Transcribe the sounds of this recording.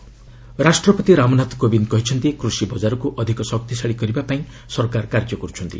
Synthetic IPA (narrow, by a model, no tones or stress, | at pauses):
ɾasʈɾɔpɔt̪iɾamɔnat̪kobinkɔɦit͡ʃʰʌnt̪ikɾusibɔd͡ʒaɾɔkuʔɔd̪ʱikɔsɔk̚t̪isaɽikɔɾibapaĩ | sɔɾkaɾkaɾd͡ʒjɔkɔɾut͡ʃʰɔnt̪ḭ